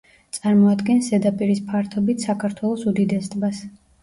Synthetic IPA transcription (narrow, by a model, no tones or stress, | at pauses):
t̪sʼaɾmɔad̪ɡɛnsɛd̪apʼiɾispʰaɾt̪ʰɔbit̪ʰsakʰaɾt̪ʰwɛlˠɔsud̪id̪ɛst̪ʼbas